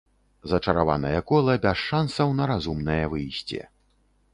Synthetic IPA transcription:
zɐt͡ʂɐɾava̰nɐjɐkɔlˠɐbʲasʂansɐwnɐɾazumnɐjɐvɨjsʲt͡sʲɛ̰

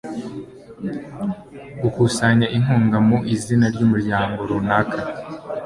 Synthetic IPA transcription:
ɡukusaɲaʔiŋ̥huːŋɡamuʔizinaɾɟuːmuɾɟaːŋɡoɾonakʰa

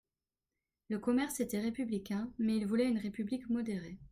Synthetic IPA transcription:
ləkɔmɛʁset̪ɛʁepyblikʲɛ̃mɛilvulɛynʁepyblikmɔd̪eʁe

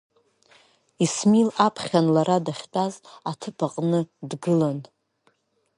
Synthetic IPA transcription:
ismilapʰχʲanlaɾadaχʲtʼazatʰɨpʰʼaqʼnɨdɡɨlan

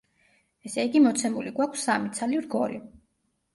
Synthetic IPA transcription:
ɛsɛiɡimɔt̪sʰɛmuliɡwakʰsːamit̪sʰalivɾɡɔli

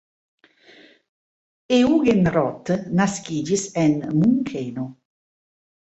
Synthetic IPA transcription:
euɡenɾɔt̪ːnaskid͡ʒisɛnmuŋkʰeːno

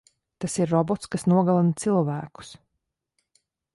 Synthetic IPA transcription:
t̪asiɾːɔbɔt̪skasnuɔɡalˠant̪silˠvæːku̥s

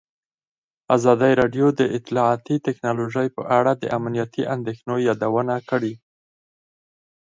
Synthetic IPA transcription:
azɑd̪əjɾɑɖjod̪əʔɪt̪ɪlɑɑt̪it̪ɪknɑloʒəjpə̰ʔaɽad̪ə̰ʔamnijat̪iʔand̪exnojɑd̪awənakəɽi

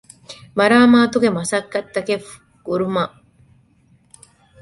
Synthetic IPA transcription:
mɐɾaːmaːt̪uɡemɐsɐkːɐt̪ːɐkef | ɡ̥uɾuma

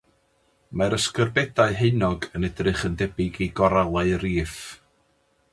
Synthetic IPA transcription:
maɾəskərbɛdaɨɦeɨnɔɡənɛdrɨχəndɛbɪɡiɡɔɾalˠaɨriːf

